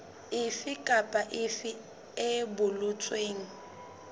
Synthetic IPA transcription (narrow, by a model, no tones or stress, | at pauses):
ɪfɪkʼapʼaʔɪfɪ | ebʊlʊt͡sʼweːŋ̩